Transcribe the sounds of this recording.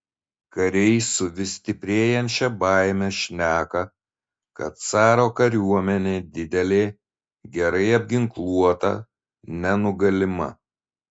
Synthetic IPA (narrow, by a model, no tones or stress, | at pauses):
kɐɾʲɛɪsʊʋʲɪsʲt̪ʲɪpʲɾʲeːjɛnʲt͡ʃʲɛbɑɪmʲɛʃʲnʲæːkɐ | kɐt̪̚sɑːɾoːkɐɾʲuɔmʲɛnʲeːd̪ʲɪd̪ʲɛlʲeː | ɡʲɛɾɐɪɐbʲɡʲɪŋklˠuɔt̪ɐ̰ | nʲɛnʊɡɐlʲɪmɐ̰